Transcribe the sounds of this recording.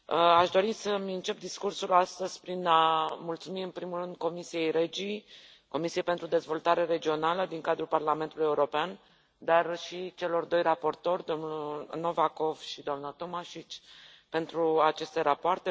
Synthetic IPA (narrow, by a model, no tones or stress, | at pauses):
əaʃd̪o̞ɾisəmʲɨnt͡ʃe̞p̚d̪iskursulast̪əz̥ʲpɾinamult̪sumiɨnpɾimulrɨnd̪̚ko̞misije̞jɾe̞d͡ʒi | ko̞misije̞jpent̪ɾud̪e̞zvo̞lt̪aɾe̞ɾe̞d͡ʒio̞naləd̪iŋkad̪ɾulparlame̞nt̪ulujeuɾo̞pean | d̪arʃit͡ʃe̞lo̞rd̪o̞jrapo̞rt̪o̞rʲd̪o̞mnuno̞vako̞v̥ʃid̪oamnət̪o̞maʃit͡ʃʲ | pe̞nt̪ɾuat͡ʃe̞st̪e̞ɾapoart̪e̞